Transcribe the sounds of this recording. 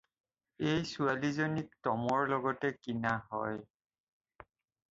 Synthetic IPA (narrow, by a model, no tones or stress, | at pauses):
ejsualizonik̚tɔmɔɹlɔɡɔtɛkinaɦɔ̰j